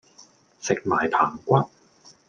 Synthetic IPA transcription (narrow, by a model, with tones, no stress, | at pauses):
sɪ˨k̚maː˨˩jpʰaː˨˩ŋkʷɐ˦˥t̚